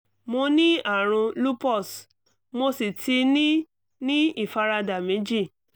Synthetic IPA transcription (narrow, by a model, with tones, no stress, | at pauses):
mo˧nĩ˦a˦˨ɾ̃ũ˧lu˦pɔ˦˨s | mo˧si˨tʰi˧nĩ˦ | nĩ˦i˦˨fa˧ɾa˧da˨mĩ˨˦d͡ʒi˦˨